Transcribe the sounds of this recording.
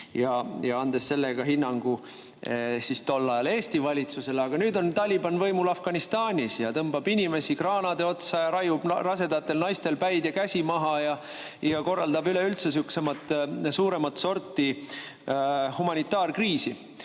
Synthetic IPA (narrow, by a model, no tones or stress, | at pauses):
jɑjɑɑnd̪̥e̞sːe̞lːeɡ̥ɑɦinːɑŋɡ̥u | sist̪o̞lːɑjɑle̞ːst̪ivɑlʲit̪suse̞leɑɡ̥ɑnyːd̪o̞nt̪ɑlʲibɑnvɤjmulɑfɡ̥ɑnist̪ɑːnʲisjɑt̪ɤmb̥ɑbinʲime̞sikrɑːnɑd̪e̞o̞t̪sɑjɑɾɑjub̥rɑse̞d̪ɑt̪ːe̞lnɑjst̪e̞lpæjd̪̥jɑkæsʲimɑɦɑjɑ | jɑko̞rːɑld̪ɑbyle̞ylt̪sesyksemɑt̪ːˑsuːɾe̞mɑt̪ːso̞rt̪ːi | humɑnʲit̪ːˑɑːrkriːsi